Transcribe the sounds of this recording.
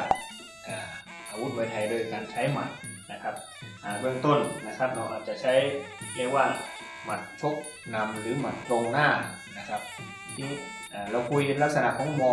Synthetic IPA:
ʔaː˨˩ | ʔaː˧˩wu˦˥t̪̚waː˧jt̪ʰa˨˩jlɤː˧jkaː˧nt͡ɕʰa˦˥jma̰˨˩t̪̚ | na˦˧kʰa˧˦˥p̚ | ʔaː˨˩bɯ˧˩əŋt̪o˥˩nna˧kʰa˦˥p̚nɔ˧˩ʔaː˨˩t̪̚t͡ɕa˨˩t͡ɕʰa˦˥jlɛː˧˩k̚waː˧˥˩ | ma˨˩t̪̚t͡ɕʰo˦˥k̚ | na˧mlɯː˨˦ma˨˩t̪̚ːɾo˧ŋnaː˥˩ | na˧kʰa˦˥p̚ | t̪ʰiː˧˥˩ | ʔaː˨˩la˧wkʰu˧jhe˧˦nla˦˥k̚sa˧na̰˧˨ʔkʰɔː˨˦ŋmɔː˧

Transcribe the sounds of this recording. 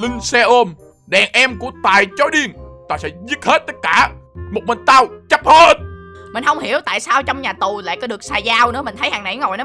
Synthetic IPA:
lï˧ŋ̟sɛ˧ʔo˧m | ɗɛ˨˩ŋʔɛ˧mku˧˩ət̪aː˨˩jt͡ɕo˨˦jɗi˧əŋt̪aː˧˩sɛ̰˧˥zi˦˥ət̚he˦˥t̚t̪ə˦˥t̚kaː˧˩mo˨˩t̚mï˨˩ŋ̟t̪aː˧wt͡ɕə˦˥p̚həː˧˩nmï˨˩ŋ̟hə˧wŋ͡mhi˧˩əwt̪a̰ː˧˨jsaː˧wt͡ɕɔ˧wŋ͡mɲaː˨˩t̪u˨˩la̰ː˧˨jkɔː˨˦ɗɨ˨˩ək̚saː˧zaː˧wnɨ̰˧˥əmï̟˨˩t̪ʰə˨˦jhaː˨˩ŋna̰˧˩jŋo˨˩jnɔ˨˦

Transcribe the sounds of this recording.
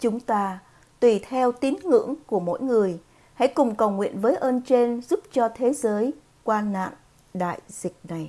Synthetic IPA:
t͡ɕʊ˨˦ŋ͡mt̪aː˧ | t̪wi˧˩t̪ʰɛ˧wt̪i˨˦nŋɨ̰˧˥əŋku˧˩əmo̰˧˥jŋɨ˨˩əj | ha̰˧˥jkʊ˨˩ŋ͡mkə˨˩wŋwḭ˧˨ənvəː˨˦jʔəː˧nt͡ɕe˧nzu˦˥p̚t͡ɕɔ˧t̪ʰe˨˦zəː˨˦j | kwaː˧na̰ː˧˨ŋ | ɗa̰ː˧˨jzï˨˩k̟̚na˨˩j

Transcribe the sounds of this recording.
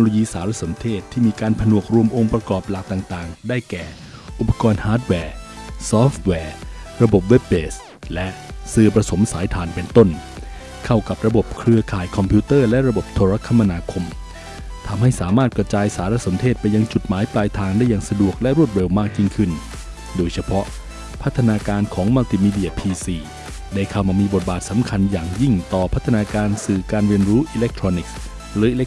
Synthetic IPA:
kno˧loː˧jiː˧saː˩˦ɾa˦˥so˩˦mt̪ʰeː˥˩t̪ʰːiː˥˩miː˧kaː˧npʰa˧nu˨˩ək̚ɾu˧əmʔo˧ŋpɾa˧kɔː˨˩p̚la˨˩k̚t̪aː˨˩ŋt̪aː˨˩ŋdaː˥˩jkɛː˨˩ | ʔu˨˩pʰːḁ˧kɔː˧nhaː˦˥t̪̚wɛː˧˩sɔː˦˥ft̪̚wɛː˧˩ɾa˧bo˨˩p̬̚we˦˥p̚beː˨˩s | lɛ˦˥ʔsɯː˧˩pɾa˧so˩˦msaː˩˦jt̪ʰaː˧˩npe˧nt̪o˥˩n | kʰa˥˩wka˨˩p̚ɾa˧bo˨˩p̚kʰɾɯ˧ɐkʰaː˨˩jkʰɔ˧mpʰuː˦˥t̪ɤː˥˩lɛ˦˥ʔɾa˧bo˨˩p̚t̪ʰo˧ɾa˦˥kʰːa˧mːa˧naː˧kʰo˧m | t̪ʰa˧mɦa˥˩jsaː˩˦maː˥˩t̪̚kɾa˧t͡ɕaː˧jsaː˩˦ɾa˧so˩˦nt̪ʰeː˥˩t̪̚pa˧jːa˧ŋt͡ɕu˨˩t̪̚maː˩˦jplaː˧jt̪ʰaː˧ŋda˥˩jːaː˨˩ŋsa˧du˨˩ək̚lɛ˦˥ɾu˥˩t̪̚ɾe˧wmaː˥˩k̚ji˥˩ŋkʰɯ˥˩n | doː˧jt͡ɕʰa˧pʰɔ˦˥ʔ | pʰa˦˥t̪ʰːa˧naː˧kaː˧nkʰɔː˩˦ŋma˧t̪ʰiː˧˩miː˧di˧˥ɐpʰiː˧siː˨˩ | da˥˩jkʰa˥˩wmaː˧miː˧bo˨˩t̪̚baː˨˩t̪̚sa˩˦mkʰa˧njaː˨˩ŋji˥˩ŋt̪ɔː˨˩pʰa˦˥t̪ʰːa˧naː˧kaː˧nsɯː˨˩kaː˧nɾi˧ənɾuː˦˥ʔi˧le˦˥k̚t̪ʰɾɔː˧ni˨˩k̚ | ɾɯː˨˦ʔi˧le˦˥

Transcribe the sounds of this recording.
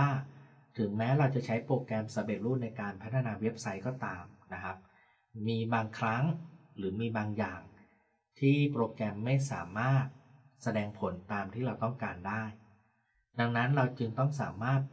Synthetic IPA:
aː˥˩ | t̪ʰɯ˨˩˦ŋmɛː˦˥ɾa˧wt͡ɕa˨˩t͡ɕʰa˦˥jpɾoː˧kɾɛ˧msa˧˦be˨˩t̪̚ɾuː˥˩na˧jkaː˧npʰa˦˥t̪ʰa˧naː˧we˦˥p̚sa˦˥jkɔː˥˩t̪aː˧mna˦˥kʰa˦˥p̚ː | iː˧baː˧ŋkʰɾa˦˥ŋɾɯː˩˦miː˧baː˧ŋjaː˨˩ŋ | t̪ʰiː˥˩pɾoː˧kɛ˧mːa˥˩jsa̰ː˩˦maː˥˩t̪̚ | sa˧dɛː˧ŋpʰo˩˦nt̪aː˧mt̪ʰiː˥˩ɾa˧wt̪ɔ˥˩ŋkaː˧ndaː˥˩j | da˧ŋna˦˥nɾa˧wt͡ɕɯ˧ŋt̪ɔ˥˩ŋsa̰ː˩˦maː˥˩t̪̚

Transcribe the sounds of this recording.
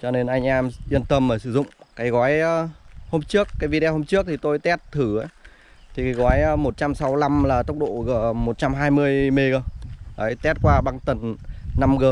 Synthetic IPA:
t͡ɕɔ˧ne˧nʔa˧jŋ̟ʔɛ˧mʔi˧ənt̪ə˧mːəː˧˩jsɨ˧˩zʊ̰˧˨ŋ͡mkaː˨˦jɣɔ˨˦jəː˧ho˧mt͡ɕɨ˦˥əkːaː˨˦jvi˧ɗɛ˧ho˧mt͡ɕɨ˦˥ək̚t̪i˨˩t̪o˧jt̪ɛ˦˥t̚t̪ʰɨ˧˩aː˨˦ | t̪ʰi˨˩ka˨˦jɣɔ˨˦jəː˨˧mo˨˩t̚t͡ɕa˧msa˨˦wla˧mlaː˨˩t̪ə˦˥wk͡p̚ɗo̰˧˨ɣəː˧˩mo˨˩t̚t͡ɕa˧mɦaː˧jmɨ˧əjme˧ɣə˧˩ʔəː˨˦jt̪ɛ˦˥t̚kwaː˧ɓa˧ŋt̪ə˨˩nna˧mɣəː˨˩

